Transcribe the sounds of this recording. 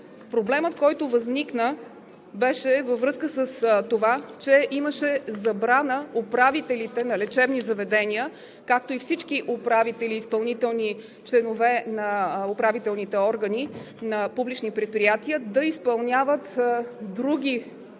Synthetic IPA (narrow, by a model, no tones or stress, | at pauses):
pɾoblɛmət̪̚kɔjt̪ovəzniknə | bɛʃɛvəvɾɤskəsəst̪ovat͡ʃɛʔiməʃɛzɐbɾanəopɾavit̪ɛlit̪ɛnɐlɛt͡ʃɛbnizɐvɛd̪ɛniə | kak̚t̪oifsit͡ʃkiʔʊpɾavit̪ɛliːspɐlˠnit̪ɛlˠni | t͡ʃlɛnovɛnɐopɾavit̪ɛlˠnit̪ɛɔɾɡəni | nɐpublit͡ʃnipɾɛt̪̚pɾijat̪iəd̪ɐispɐlˠnʲavət̪d̪ɾuɡ̟ʲi